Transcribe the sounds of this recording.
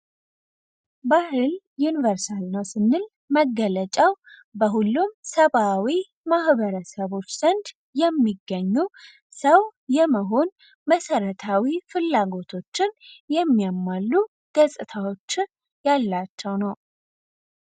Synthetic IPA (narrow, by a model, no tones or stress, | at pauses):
bahɨl | junivəɾsalnəwsɨnːɨl | məɡələt͡ʃʼaw | bəɦulːumsəβawi | mahβəɾəsəβo̞t͡ʃːz̥ənd̪ | jɛmːiɡːəɲːu | səwjɛməɦo̞n | məsəɾət̪ʰawifɨlːaɡo̞t̪ʰo̞t͡ʃːɪnjɛmːijamːalːu | ɡ̥əsʼɨt̪ʰawo̞t͡ʃːɪn | jalːat͡ʃːɛwnəw